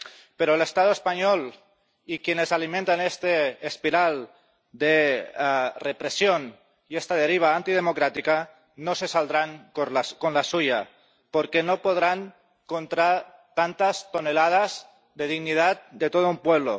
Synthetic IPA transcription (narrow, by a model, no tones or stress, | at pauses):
peɾoelest̪að̞oespaɲol | ikjenesalimẽnt̪anest̪eːspiɾal | d̪e | repɾesjon | iest̪að̞eɾiβ̞aant̪ið̞emokɾat̪ika | nosesald̪ɾaŋkoaskonlasuja | poɾkenopoð̞ɾaŋ | kont̪ɾa | t̪ant̪ast̪onelað̞az | d̪eðiɣnið̞at̪̚d̪et̪oðoumpweβ̞lo